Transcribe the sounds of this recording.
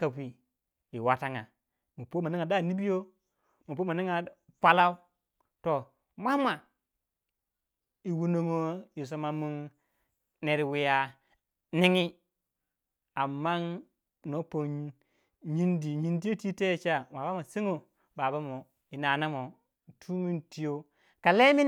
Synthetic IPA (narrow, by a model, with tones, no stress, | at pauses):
ka˨wi˨ | i˨wa˨ta˦ŋa̰˨ | mu˨po˦ma˨ni˦ŋa˨da˦˨ni˦bi˦jo˦ | mu˨p̬o˦ma˨ni˦ŋa˨ | pʷa˦la˦u˦ | to˨ | ma˦ma˨ | i˨wu˦no˦ŋo˦i˨s̬o˨ma˨mu˦n | ne˨ɾwi˨ja˨ | ni˦ŋi˦ | a˨mːa˦n | no˨˦po˨n | ɲi˦ndi˨ɲi˦ndi˦jo˦ti˦te˦˨t͡ʃa˦˨wa˨ba˦ma˨se˦ŋo˦ | ba˨ba˦mo˨ | i˨na˨na˦mo˨ | tʰu˦mi˦nti˦jo˦ | ka˨le˦mi˦